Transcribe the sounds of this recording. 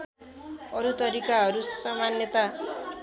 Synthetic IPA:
ʌɾut̪ʌɾikaɦʌɾusʌmanjʌt̪a

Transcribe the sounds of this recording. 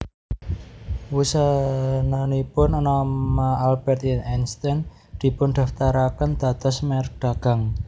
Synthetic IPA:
wusananipʊnɔnɔmaalb̥ɛrt̪ɛnɛnst̪ɛn | d̪̥i̤pʊnd̪̥a̤ft̪aɾakənd̪̥ä̤t̪ɔsmɛrɖ̪̥a̤ɡ̥a̤ŋ

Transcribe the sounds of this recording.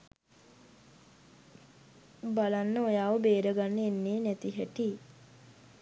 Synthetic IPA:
balanːəojaːʋəbeːɾəɡanːəenːeːnɛt̪iɦɛʈi

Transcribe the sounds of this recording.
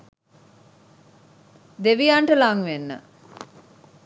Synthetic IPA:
d̪eʋijaɳʈəlaŋʋenːə̰

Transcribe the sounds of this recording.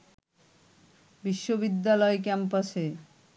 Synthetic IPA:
biʃːobid̪ːalɔekɛmpase

